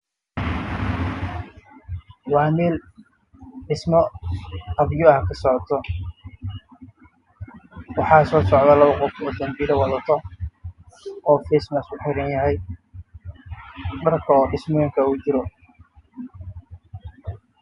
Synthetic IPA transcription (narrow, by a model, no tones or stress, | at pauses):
wɑːmɛːl | ɖɪsmɔqɐβjɔɐhkʰɐsɔʕt̪ʰɔ | wɑħɑːsɔːsɔʕd̪ɐlɐβɐqɔfɔːd̪ɐmbiːɾɐwɑðɐt̪ʰɔ | ɔːfɛːsmɐsʊħɪɾɐnjɐɦɛj | ɖɐrkʰɐɔːɖɪsmɔjɪŋkʰɐut͡ʃɪɾɔ